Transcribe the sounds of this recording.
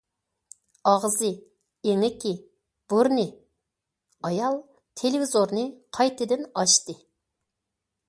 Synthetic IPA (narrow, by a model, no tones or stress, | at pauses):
ɑʁzɨ | eŋɪkʲi | b̥uɾnɨ | ɑjɑlˠ | t̪ʰelɪvizoɾnɨqʰɑjt̪ɨd̪ɪnɑʃt̪ɨ